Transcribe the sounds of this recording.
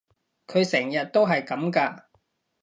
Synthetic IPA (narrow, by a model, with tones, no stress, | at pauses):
kʰɵ˨˧ɥsɛː˨˩ŋjɐ˨t̚t̪o˥wɦɐ˨jkɐ˨˥mkaː˧